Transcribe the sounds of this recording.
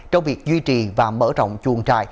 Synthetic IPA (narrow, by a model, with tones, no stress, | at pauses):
t͡ɕɔ˧wŋ͡mvi˨˩ək̚zwi˧t͡ɕi˨˩vaː˨˩mə̰ː˧˥t͡ɕɔ̰˧˨wŋ͡mt͡ɕu˨˩əŋt͡ɕa̰ː˧˨j